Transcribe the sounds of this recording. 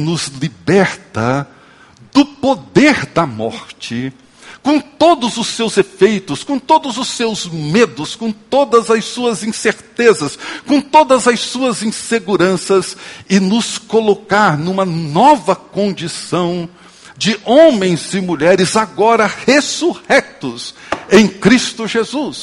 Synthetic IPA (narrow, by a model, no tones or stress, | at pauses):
nʊzlibɛɾt̪ɐ | d̪ʊpod̪eɾd̪ɐmɔ̰ɾt͡ʃɪ | kõw̃t̪od̪ʊzʊsːewzefejt̪ʊskõt̪od̪ʊzʊsewzmed̪ʊskõw̃t̪od̪ɐzɐssuɐzĩseɾt̪ezɐskõt̪od̪ɐzɐsuɐzĩseɡuɾɐ̃sɐzɪnʊskolokaɾnũmɐnɔvɐkõnd͡ʒisɐ̃w̃ | d͡ʒɪõmẽj̃zɪmuʎɛɾɪzaɡɔɾɐhesuhɛk̚t̪ʊsẽj̃kɾist̪ʊʒezus